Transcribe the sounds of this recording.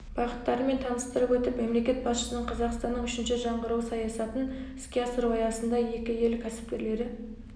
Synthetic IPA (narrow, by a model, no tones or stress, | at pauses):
b̥ɑqət̪ːɑɾəme̞nt̪ʰɑnəst̪əɾəpwɵt̪ɪpme̞mle̞kʲe̞t̪̚bɑsʃə̥sənəɴqʰɑzɑqst̪ɑnːəɴʏʃɪnʃɪʒɑɴʁəɾəwsɑjɑsɑt̪ənɪskʲeɑsəɾuwɑjɑsənd̪ɑje̞kʲɪjelkʲʰæsɪ̥p̚kʲe̞ɾle̞ɾɪ